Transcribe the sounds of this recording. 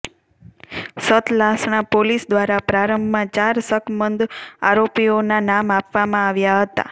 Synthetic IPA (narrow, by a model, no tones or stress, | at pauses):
sət̪lasnapolisd̪ʋaɾapɾaɾəmbmãt͡ʃaɾsəkmənd̪a̰ɾopionanamapʋamãaʋjaɦət̪a̰